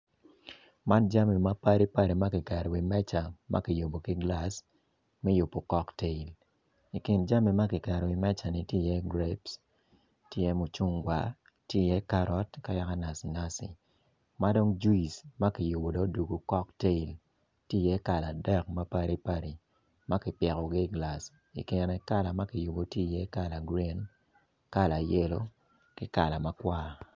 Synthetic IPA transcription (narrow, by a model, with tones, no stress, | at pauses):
ma˦nd͡ʒa˦mi˨ma˦pa˦ɾi˦pa˦ɾi˨ma˦kɪ˨kɛ˨ɾɔ˨wi˨mɛ˦t͡ʃa˨mʔa̰˦ki˨jo˨bo˨ki˦ɡla˦s | mɛ˦ju˨pːo˨kɔ˦kte˦i˨l | i˨kɪ˨nd͡ʒa˦mi˨ma˦kɪ˨kɛ˨ɾɔ˨wi˨mɛ˦t͡ʃa˨ni˨tje˦˨jɛ˦ɡɾe˦ps | tjɪ˦jɛ˦mo˨t͡ʃu˦ŋɡwa˦ | tjɪ˦˨jɛ˦ka˦ɾɔ˦tka˦ja˦ka˦na˨si˨na˦sḭ˨ | ma˦do˦ŋd͡ʒu˦i˨sma˦kɪ˨ju˨bo˨dɔ˦du˨ɡo˨kɔ˦kte˦i˨l | tje˦˨jɛ˦ka˨la˨dɛ˦˨k̚ma˦pa˦ɾi˦pa˦ɾi˨ | ma˦kɪ˨pjɛ˨kɔ˨ɡɪ˦˨ɡla˨s | ḭ˨kɪ˨nɛ˨ka˦la˨ma˦kɪ˨ju˨bo˨tje˦˨jɛ˦ka˦la˨ɡɾi˦n | ka˦la˨je˦lo˦ | kɪ˦ka˨la˨ma˦kwaː˦